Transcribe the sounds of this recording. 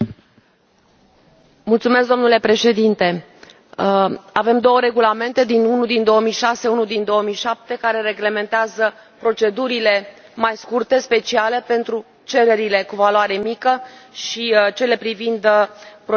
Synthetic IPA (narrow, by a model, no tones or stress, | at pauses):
mult̪sumesk̚d̪o̞mnule̞pɾe̞ʃe̞d̪int̪e̞ | ave̞md̪o̞wəɾe̞ɡulame̞nt̪e̞d̪inunud̪ind̪o̞əmijʃase̞unud̪ind̪o̞əmijʃap̚t̪e̞kaɾe̞ɾe̞ɡle̞me̞nt̪eazə | pɾo̞t͡ʃe̞d̪uɾile̞majskurt̪e̞spe̞t͡ʃiale̞pe̞nt̪ɾu | t͡ʃe̞ɾe̞ɾile̞kuvaloaɾe̞mikəʃit͡ʃe̞le̞pɾivind̪pɾo